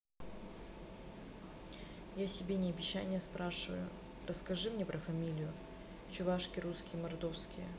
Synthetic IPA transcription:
jasʲɪbʲenʲɪɐbʲɪɕːa̰nʲɪjəspɾaʂɨvə̰jʊ | rəskɐʐɨmnʲepɾəfɐmʲilʲɪjʊ | t͡ɕʊvaʂkʲɪɾuskʲɪjəmɐrd̪ofskʲɪjə̰

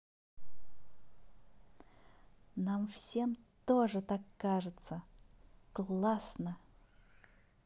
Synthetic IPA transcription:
namfsʲe̞mt̪oʐɨt̪akːaʐɨt̪səklˠasnə

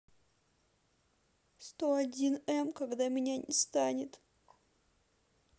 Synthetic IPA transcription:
st̪o̞ɐdʲinɛmkɐɡd̪amʲɪnʲanʲʔɪst̪anʲɪt̪

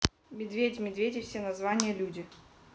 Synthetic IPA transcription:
mʲɪd̪vʲedʲmʲɪd̪vʲedʲɪfsʲenɐzvanʲɪjəlʲudʲɪ

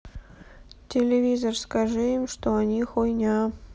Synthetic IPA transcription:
tʲɪlʲɪvʲizərskɐʐɨɪmʂt̪oɐnʲixojnʲa

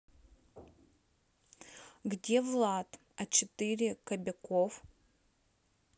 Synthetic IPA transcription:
ɡdʲevlˠat̪ | ɐt͡ʃʰɪt̪ɨɾʲɪkɐbʲɛkof

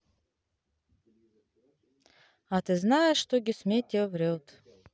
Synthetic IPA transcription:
at̪ɨznajəʂːt̪oɡʲɪsmʲet̪ʲːevɾʲelˠt̪

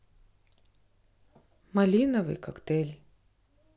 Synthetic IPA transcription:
malʲinɐvɨ̰kʰɐkt̪elʲ

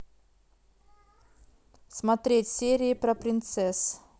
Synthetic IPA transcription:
smɐt̪ɾʲetʲsʲeɾʲɪɪpɾɐpɾʲɪnt̪sɛs

